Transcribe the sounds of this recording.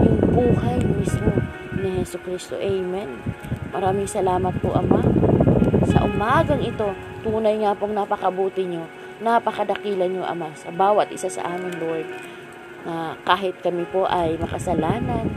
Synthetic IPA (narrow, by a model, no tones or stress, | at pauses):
jʊŋbuːhajmismo̞ | nɪhɛsokɾist̪o̞̰ʔɛjmɛnmɐɾaːmɪŋsɐlaːmɐt̪̚po̰ʔɐma | sɐ̰ʔʊmaːɡɐŋɪt̪o̞ | t̪uːnɐjŋapoŋnɐpɐkɐbuːt̪ɪɲo | napɐkɐd̪ɐkiːlɐnɲoʔɐ̰masɐbaːwɐt̪ʔɪsasɐ̰ʔaːmɪnloɛɡ | nakaːɦɪt̪̚kɐmɪpo̞ʔɐjmɐkɐsɐlaːnɐn